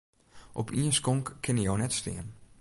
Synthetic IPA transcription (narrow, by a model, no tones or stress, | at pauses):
ʔɔpʰiənskoŋkkʰːɪnəjownɛtstɪ̰ːən